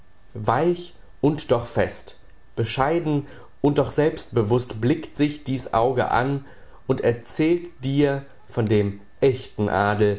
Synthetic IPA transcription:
vaɪç | ʔʊntd̥ɔχfɛst | b̥əʃaɪdn̩ | ʔʊnt̚d̥ɔχz̥ɛlpst̚b̥əvʊstb̥lɪktz̥ɪçd̥iːsʔa̰ʊɡə̰ʔa̰n | ʔʊntɛɐt͡sɛːltd̥iːɐ | fɔndeːm | ʔɛçtn̩ʔa̰ːdl̩

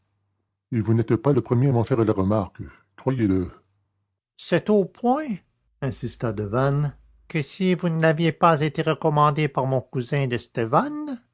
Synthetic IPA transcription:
evunɛt̪paləpχəmjeamɑ̃fɛʁəlaʁəmaʁk | kχʁwajelə | sɛt̪opʰwɛ̃ | ɛ̃sist̪ad̪əvan | kəsivunavjepazet̪eʁəkɔmɑ̃d̪epaʁmɔ̃kuzɛ̃d̪əst̪evan

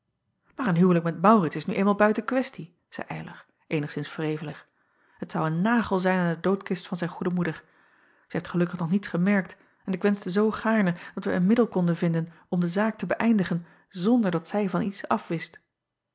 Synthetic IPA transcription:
maːɹənɦywlək̚mɛtmɑwrɪtsɪsnyejnmaːlˠbœɥtənkʋɛsti | z̥ɛ̰jʔɛ̰jlʔə̰ɹ | ʔejnəχsɪnsfrejvələχ | ɦətsɑwənːaːχəlˠzɛjnandədowtkɪstfɑnzɛjnχudəmudəɹ | zɛɦeftχəlɵkəχnɔχnitsχəmɛɹk̚t | ɛnɪkʋɛnzdəzowχaːɹnəd̥ɑtʋə̰ənmɪdəlˠkɔndənvɪndən | ɔmdəzaːk̚təbəʔɛjndəχən | zɔndəɹdɑtsɛjvɑnitsɑfʋɪst

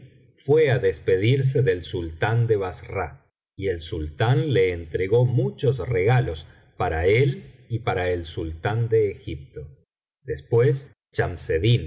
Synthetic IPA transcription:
fweaðespe̞ðiɾs̬e̞ðelsult̪and̪eβasra | ielsult̪anle̞ːnt̪ɾe̞ɣo̞mut͡ʃosreɣalo̞s | paɾaelipaɾaelsult̪and̪eːxip̚t̪o̞ | d̪espwes | t͡ʃamseðin

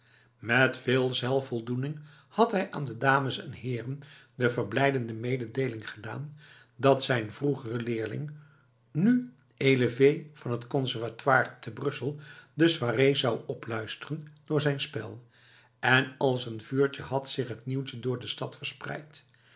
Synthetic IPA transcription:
mɛtfɪːlˠzɛlˠfɔlˠdunɪŋ | hɑtɦɛjʔa̰ːndədaːməsɛ̰nɦɪːrəndəvəɹblɛjdəndəmejdədejlɪŋχəda̰ːn | dɑtsɛjnvruχərəlɪːɹlɪ̰ŋ | ny | ejləvejv̥ɑnɦətkɔnsɛɹvatwaːɹtəbrɵsəlˠdəzwaːrejzɑwɔplœɥstərənd̥ʊːɹzɛjnspɛ̰lˠ | ɛnɑlˠsənvyːɹt͡ʃəɦɑtsɪχɦətniwtədʊːɹdəstɑtfəɹsprɛ̰jt

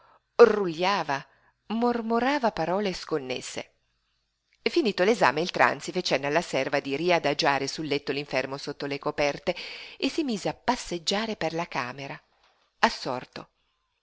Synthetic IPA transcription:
ruʎːaːva | mormoɾaːvapaɾɔːleskonːḛsːḛ | efːiniːt̪oleza̰ːmeilt̪ɾa̰nt̪sifet͡ʃɛnːalːasɛrvad̪iɾiad̪ad͡ʒaːɾesulːet̪ːoliɱfɛrmosot̪ːolekopɛrt̪eesimiːzeapːasːed͡ʒːaːɾeperlakaːmeɾa | asːɔ̰rt̪o

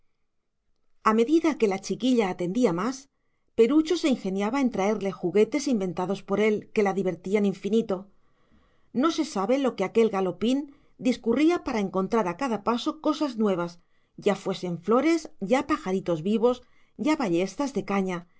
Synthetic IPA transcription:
ame̞ðiðake̞lat͡ʃikiʎaːt̪e̞nd̪iamas | pe̞ɾut͡ʃo̞se̞iŋxe̞njaβae̞nt̪ɾae̞ɾle̞xuɣe̞t̪e̞simbẽ̞nt̪aðo̞spo̞ɾe̞lke̞laðiβe̞ɾt̪ianiɱfinit̪o̞ | no̞se̞saβe̞lo̞keake̞lɣalo̞pin | d̪iskuriapaɾaeŋko̞nt̪ɾaɾakaðapaso̞ko̞saznwe̞β̞as | ɟ͡ʝafwe̞se̞ɱflo̞ɾe̞sɟ͡ʝapaxaɾit̪o̞zβiβo̞s | ɟ͡ʝaβaʎe̞st̪azðe̞kaɲa

